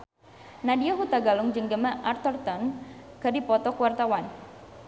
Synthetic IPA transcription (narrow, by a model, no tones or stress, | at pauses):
nadiaɦut̪aɡalʊŋd͡ʒɨŋɡəmaʔart̪ɔrt̪ɔnkərdipɔt̪ɔkəwart̪awan